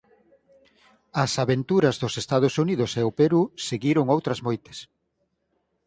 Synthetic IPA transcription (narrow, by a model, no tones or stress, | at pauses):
ɐsaβent̪uɾɐzðʊsest̪að̞ʊsuniðʊseʊpeɾuseɣiɾʊŋowt̪ɾɐzmojt̪e̥s